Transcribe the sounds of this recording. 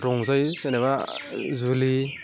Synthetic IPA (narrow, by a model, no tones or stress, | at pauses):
ɾɔŋzajseneβazuli